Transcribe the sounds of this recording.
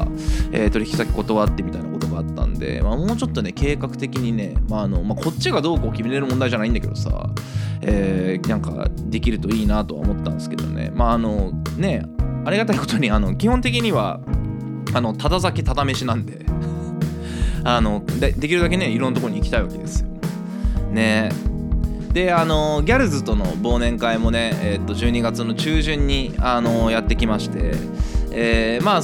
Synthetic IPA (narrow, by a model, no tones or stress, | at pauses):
ḛːt̪o̞ɾʲiçʲikʲi̥sakʲi̥ko̞t̪o̞βat̪ːe̞mʲit̪ainako̞t̪o̞ɡaːt̪ːã̰nd̪e̞̰mamoːt͡ɕo̞t̪ːo̞ne̞ke̞ːkakɯ̟t̪e̞kʲiɲ̟ine̞̰maːno̞makʰo̞t͡ɕːiɡad̪o̞ːkoːkʲimeɾeɾɯ̟mõnd̪aiʑanaĩnd̪aked̪o̞sa̰eːnãŋka̰d̪e̞kʲiɾɯ̟t̪o̞iːnat̪o̞βa̰omo̞t̪ːãnskeed̪onḛmaːno̞ne̞aɾʲiɡat̪aiko̞t̪oɲ̟iano̞kʲihõ̞nt̪̬e̞k̬ʲiɲ̟iβa̰ | ano̞t̪at̪azakʲit̪at̪ame̞ɕinãnd̪e̞ | ano̞d̪ed̪e̞kʲiɾɯ̟d̪ak̬e̞ne̞iɾõ̞nːat̪okoo̟iːkʲi̥t̪aiβake̞d̪e̞sɨ̥jo | ne̞ | d̪̥e̞ano̞ɡʲaɾɯ̟zɨt̪o̞no̞̰bo̞ːnẽ̞ŋkaimo̞ne̞et̪ːo̞ʑɨːɲ̟iɡat͡sɨno̞t͡ɕɨːʑɨ̃ɲ̟ːiano̞jat̪ːe̞kʲimaɕi̥t̪e̞̰ | eːmaː